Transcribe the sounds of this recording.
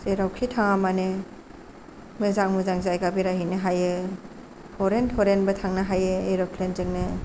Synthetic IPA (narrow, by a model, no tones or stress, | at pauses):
zeɾawkʰitʰaŋamane | mɯzaŋmɯzaŋzajɡabiɾaɦinɯɦajɯ | pʰɔɾentʰɔɾenbɐtʰaŋnɐɦajɯeɾɔkʰlenzɯŋnɯ